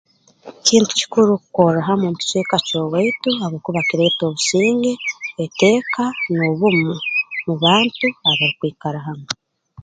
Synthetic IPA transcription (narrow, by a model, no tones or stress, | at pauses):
ciːntu̥ci̥kuɾukukoɾaɦamumuci̥t͡ʃwekat͡ʃoweituaβokuβakiɾeto̞ːβusiːŋɡe̞ete̞ːkanoβumumuβaːntuaβaɾikwiːkaɾaɦamo